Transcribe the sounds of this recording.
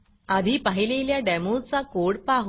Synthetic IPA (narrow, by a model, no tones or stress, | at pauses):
ad̪ʱiːpaɦileljaɖɛmot͡sakoɽpaɦ